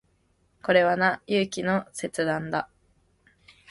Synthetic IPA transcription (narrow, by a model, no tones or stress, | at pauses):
ko̞ɾe̞βanajɯːkʲino̞se̞t͡sɨd̪ãnd̪a